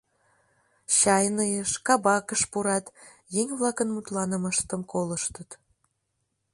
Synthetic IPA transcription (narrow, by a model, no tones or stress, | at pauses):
ɕɑjnəjəʃkɑbɑkəʃpuɾɑt̪ | jeŋʲβlɑkənmut̪lɑnəməʃt̪əmkoləʃt̪ət̪